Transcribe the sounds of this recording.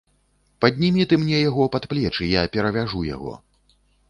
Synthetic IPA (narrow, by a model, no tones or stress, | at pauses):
pɐd̪ʲnʲimʲit̪ɨmnʲɛjaɣɔpat̪plʲɛt͡ʂɨjapʲɛɾɐvʲaʐuja̰ɣɔ̰